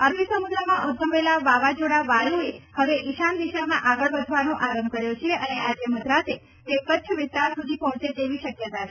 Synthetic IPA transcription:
əɾbisəmud̪ɾəmãʔud̪ʱəmʋelaʋaʋad͡ʒoɽaʋajuehəʋeʔiʃand̪iʃamãʔaɡəɭbəd͡ʒ̪ʱʋanõʔaɾəmb̚kəɾjot͡ʃʰeʔəneʔad͡ʒeməd̪ɾat̪e | t̪ekət͡ʃʰʋɪst̪aɾsud̪ʱipɔɦɔ̃t͡ʃet̪eʋiʃəkjət̪at͡ʃʰ

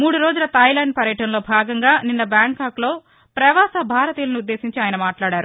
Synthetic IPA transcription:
muːɽuɾo̞ːd͡ʒulɐt̪ɐjlɐːɳɖ̚pɐɾjɐʈɐnlo̞ːbʱaːɡɐŋɡaːninːɐbjaːŋkaːklo̞ː | pɾɐʋaːsɐbʱaːɾɐt̪iːlɐniud̪ːeːsiɲt͡ʃiaːjnɐmaːʈlaːɽaːɾu

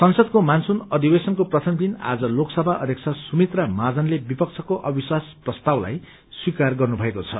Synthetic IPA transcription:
sʌnsʌd̪̚komansunʌd̪ibesʌnkoprʌt̪ʰʌmd̪ina̰d͡zʌloksʌbʱaʔʌ̰d̪ʱjek̚t͡sʰʌsumit̪ramad͡zʌnlebipʌk̚t͡sʰʌkoʔʌbiswasprʌst̪awla̰j | swikarɡʌrnubʱʌekot͡sʰʌ̰

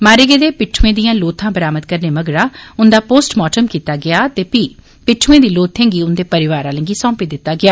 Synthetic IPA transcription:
maːɾeːɡeːd̪eːpɪʈʰːuẽːd̪ijãːloːt̪ʰãːbəɾaːmət̪kəɾneːməɡɽaːʊnd̪aːpoːsʈmɔːʈəmkiːt̪aːɡɪaːt̪eːpiː | pɪʈʰuẽːd̪iːloːt̪ʰẽːŋɡiːʊnd̪eːpəɾɪʋaːɾãːlə̃ŋɡiːsɔ̃ːmpiːd̪ɪt̪ːaːɡɪaː

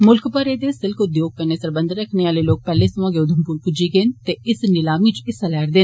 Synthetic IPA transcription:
mʊlkpəɾeːd̪eːsɪlkʰʊd̪joːɡ̚kəɾneːsəɾbə̃nd̪əɾəkʰneːaːleːloːk̚pɛːleːsəmãːɡeːʊd̪ʱəmpuːɾpʊd͡ʒiːɡeːnt̪eːɪsnɪlaːmĩːt͡ʃɪsəlɛːɾd̪eːn

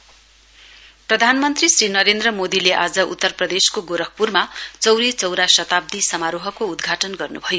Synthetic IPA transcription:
prʌd̪ʱanmʌnt̪risrinʌɾend̪rʌmod̪ileʔad͡zʌʔṵt̪ːʌrprʌd̪eskoɡoɾʌk̚purmat͡sʌwɾit͡sʌwɾasʌt̪ab̚d̪isʌmaɾoɦʌkoud̪ɡʱaʈʌnɡʌrnubʱʌjo

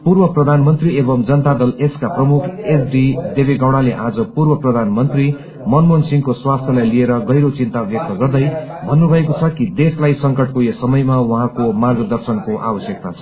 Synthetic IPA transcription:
purbʌprʌd̪ʱanmʌnt̪riebʌmd͡zʌnʌt̪ad̪ʌleskaprʌmukʰesɖid̪ebiɡawɽ̃aleʔad͡zʌpurbʌprʌd̪ʱanmʌnt̪ri | mʌnmonsiŋkoswast̪ʰjelajlieɾʌɡʌjɾot͡sint̪abjʌk̚t̪ʌɡʌrd̪ʌjbʱʌnːubʱʌekot͡sʰʌkid̪eslajsʌŋkʌʈkojesʌmʌjmawʌɦãkomarɡʌd̪ʌrsʌnkoʔa̰bʌsjʌk̚t̪at͡sʰʌ

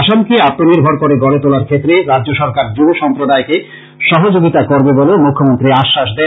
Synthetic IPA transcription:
ʃamkeat̪ːoniɾbʱoɾkoɾeɡɔlet̪olaɾkʰet̪ːɾeɾadːd͡ʑoʃɔɾkaɾd͡ʑoboʃɔmpɾod̪aeke | ʃɔɦod͡ʑoɡit̪akoɾbebolemukʰːomont̪ɾiaʃːaʃd̪ɛ

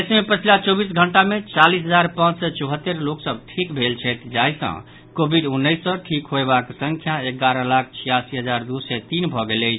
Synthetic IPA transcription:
smepət͡ʃʰilat͡ʃɔbisɡʱəɳʈamet͡ʃalisɦəd͡ʒaɾpãt͡ʃsɛt͡ʃɔɦət̪ːeɾloksəb̚ʈʰikbʱelt͡ʃʰɛt̪d͡ʒaisə̰̃ | kobʱiɖunːəjsːə̃ʈʰikɦoebaksə̃ŋkʰjaekːaɾə̃lakʰt͡ʃʰijasiɦəd͡ʒaɾd̪usɛt̪inbʱɔɡelət͡ʃʰ

